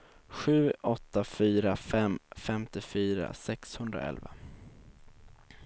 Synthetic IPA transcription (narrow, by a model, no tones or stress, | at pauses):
ɧʉ̟ːʔɔt̪ːafyːɾafɛmfɛmt̪ɪfyːɾa̰sɛkshɵnd̪ɾa̰ɛ̰lva̰